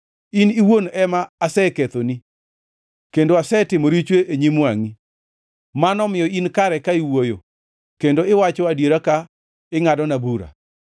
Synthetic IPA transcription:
iniwonɛmaːsɛket̪oni | kendoasɛtɪmoɾit͡ʃweʔeɲimwaŋi | manɔmɪjɔinkaɾɛkaiwojo̰ | kendoɪwat͡ʃɔadjeɾaka | ɪŋadɔnabuɾa̰

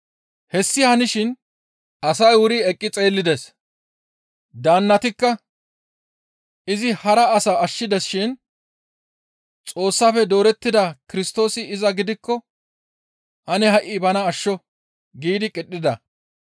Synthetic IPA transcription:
hɛsːɪhɐnɪʃɪn | ɐsɐjwʊɾiɛkʼːɪt͡sʼe̞ːlːɪd̪ɛs | d̪aːnːɐt̪ɪkːɐ | ɪzɪhɐɾɐːsɐɐʃːɪd̪ɛsʃɪn | t͡sʼo̞ːsːaːfɛd̪o̞ːɾɛt̪ːɪd̪ɐkɪɾɪst̪o̞ːsɪɪzɐɡɪd̪ɪkːɔ | ʔɐnɛhɐʔɪbɐnɐːʃːɔ | ɡiːd̪ɪkʼɪɗːɪd̪ɐ

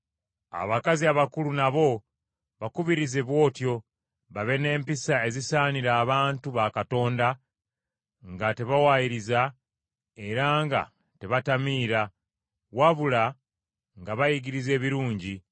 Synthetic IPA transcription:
a̰βakaziaβakulunaβo̞ | βakuβiɾizeβwo̞ːtjo̞ | βaβe̞ne̞ːmpisae̞zisaːniɾaːβaːntuβakato̞ːnda | ŋɡate̞βawajiɾiza | e̞ɾaŋɡa̰ | teβatamiːɾa | waβula | ŋɡaβajiɡiɾize̞ːβiɾuːɲɟi

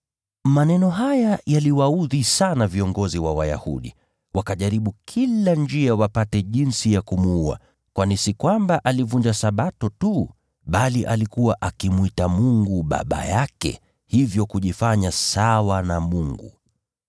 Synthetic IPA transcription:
manɛnɔɦajajaliwauðisanaviɔŋɡɔziwawa̰ja̰hṵɗḭ | wakaʄaɾiɓukʰiland͡ʒiawapatɛʄinsijakumuua̰ | kwanisikwambaʔalivund͡ʒasaɓatɔtu | ɓaliʔalikuwaʔakimwitamuŋɡuɓa̰ɓa̰jakɛ̰ | hivjɔkuʄifaɲasawanamuŋɡṵ

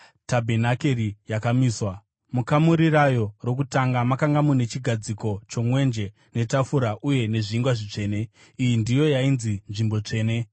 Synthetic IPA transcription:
tabʱe̞nakerijakamiːswa | mukamuɾirajo̞ro̞k̬utaŋɡamakaŋɡamune̞t͡ʃiɡʱad͡ziko̞t͡ʃo̞mwe̞nd͡ʒe̞ | ne̞tafuɾaʔuje̞ne̞ʐiiŋɡwaʐit͡ʂe̞ːne̞ | ijindijo̞jainzinʐimbo̞t͡ʂe̞ːne

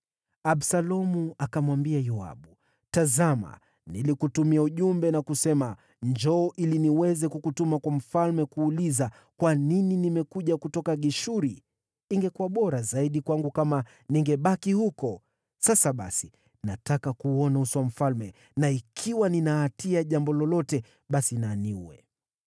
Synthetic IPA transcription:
aɓsalɔmuakamwambiajɔa̰ɓu | tazama̰ | nilikutumiauʄumbɛnakusɛma | ɲd͡ʒɔːʔiliniwɛzɛkukutumakwam̩falmɛkuːliza | kwanininimɛkuʄakutɔkaɠiʃuɾi | iŋɡɛkuaɓɔɾazaiɗikwaŋɡukama | niŋɡɛɓakihukɔ | sasaɓa̰si | natakakuɔnauswam̩falmɛ | naikʰiwaninaːtiaʄambɔlɔlɔtɛ | ɓasinaniuwɛ̰

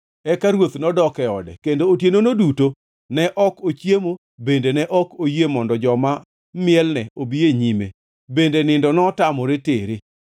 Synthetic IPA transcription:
ɛkaɾwot̪nɔdɔkɛɔdɛ̰kendoːtjenonoduto | nɛʔɔkot͡ʃjemo | bendenɛʔɔkojemɔndɔd͡ʒɔma | mɪɛlnɛobieɲimḛ | bendenɪndɔnɔtamɔɾeteɾe

